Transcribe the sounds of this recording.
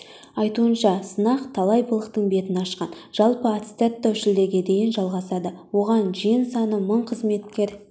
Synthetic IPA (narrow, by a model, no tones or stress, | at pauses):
ɑjt̪uənʃɑsənɑqt̪ʰɑlˠɑjbəlˠəqt̪əɴbe̞t̪ɪnɑʃqɑnʒ̥ɑlˠpəat̪st̪et̪ːæwʃɪld̪e̞ɡʲe̞d̪e̞jɪnʒɑlˠʁɑsɑd̪əwo̞ʁɑnʒijɪnsɑnəməɴqʰəzme̞t̪kʲe̞ɾ